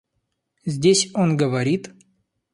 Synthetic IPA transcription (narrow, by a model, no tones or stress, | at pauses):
zʲdʲesʲonɡəvɐɾʲit̪